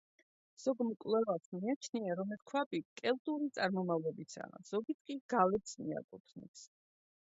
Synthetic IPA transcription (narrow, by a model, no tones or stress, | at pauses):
z̥ɔɡmkʼwlɛvasʰmiat͡ʃʰniaɾɔmɛt̪kʰwabikʼɛlt̪ʼuɾit̪sʼaɾmɔmavlɔbisʰa̰z̥ɔɡit̪ʰkʼiɡ̥alɛpsmḭa̰kʼut̪ʰnɛ̰ps